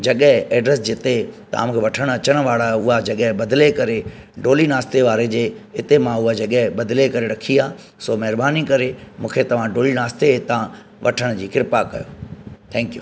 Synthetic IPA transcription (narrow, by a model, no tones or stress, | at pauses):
d͡ʑɐɠəɦɪ̃ɛːɖɾesd͡ʑɪt̪et̪ɐa̰ːmũːkʰeʋɐʈʰəɽ̃ɐt͡ɕəɽ̃ʋaːɭaʊɦad͡ʑɐɠəɦbɐd̪lekɐɾe | ɖoːlinaːst̪eʋaːɾed͡ʑeːɪt̪emãʊɦad͡ʑɐɠəɦɪ̃bɐd̪lekɐɾeɾɐkʰiaː | somɐɦɾbaːnikɐɾemũːkʰet̪ɐʋ̤ãɖoːlinaːst̪eet̪ã | ʋʔɐʈʰəɽ̃d͡ʑiːkɪɾɪpakɐ̰jo̰ːt̪ʰɛ̃ːŋkjṵː